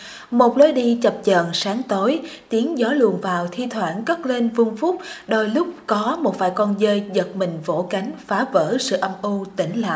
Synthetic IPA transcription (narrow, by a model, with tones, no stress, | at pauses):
mo˨˩t̚ləː˨˦jɗi˧t͡ɕə˨˩p̚t͡ɕəː˨˩nsaː˨˦ŋt̪o˨˦jt̪i˨˦ənzɔ˨˦lɨ̰˧˨˩ənvaː˨˩wt̪ʰi˧t̪ʰwaː˧˩nkə˦˥t̚le˧nvɨ˧əŋfʊ˦˥k͡p̚ɗoː˧jlʊ˦˥k͡p̚kɔ˨˦mo˨˩t̚fa̰ː˧˩jkɔ˧nzəː˧jzə˨˩t̚mï˨˩ŋ̟vo̰˧˩ka˨˦jŋ̟faː˨˦vəː˧˩sɨ̰˧˨ʔə˧mʔu˧t̪ï˧˩ŋ̟la̰ː˨ʔ